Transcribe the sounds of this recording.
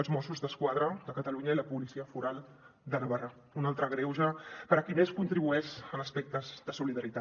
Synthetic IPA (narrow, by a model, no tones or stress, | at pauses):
əlˠzmɔsuzðəskwað̞ɾəd̪əkət̪əluɲəiləpulisiəfuɾalˠ | d̪ənəβara | unalˠt̪ɾəɣɾewʒəpəɾəkineskunt̪ɾiβuɛʃənəspɛk̚t̪əzðəsuliðəɾit̪a